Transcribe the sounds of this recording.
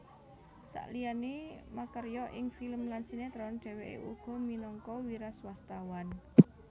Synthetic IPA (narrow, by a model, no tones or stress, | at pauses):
sa̰ʔlijanemakərjɔʔɪŋfiləmlansinet̪ɾɔnɖ̥e̤weʔḛʔṵɡ̥ɔ̤minɔŋkɔwiɾaswast̪awan